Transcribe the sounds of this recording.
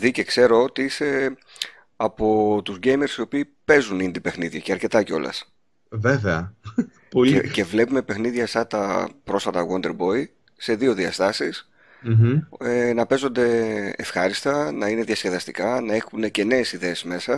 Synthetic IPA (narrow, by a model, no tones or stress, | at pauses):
ðice̞kse̞ɾo̞ot̪iise̞ | ɐpo̞t̪uzɟe̞jme̞ɾsio̞piːpe̞zunind̪ipe̞xniðʝɐceɐɾce̞t̪ɐceo̞̰lɐ̰s | veveɐ | polece̞vle̞pume̞pe̞xniðʝɐst̪ɐt̪ɐpɾo̞sfɐt̪ɐwond̪e̞ɾbo̞i | se̞ðio̞ðiɐst̪ɐsis̩ | enɐpe̞zo̞nd̪e̞efxɐɾist̪ɐnɐine̞ðiɐsce̞ðɐst̪ikɐnɐe̞xune̞ce̞ne̞ːsiðe̞ːsme̞sɐ